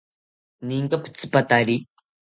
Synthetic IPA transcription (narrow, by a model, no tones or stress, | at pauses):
niŋkɐpʰt͡spɐt̪aːɾi